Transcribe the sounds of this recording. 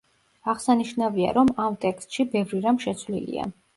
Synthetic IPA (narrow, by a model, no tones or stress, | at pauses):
aʁsaniʃnavia̰ɾɔmamt̪ʼɛkst̪ʼʃibɛvɾiɾamʃɛt̪sʰvlḭlḭa̰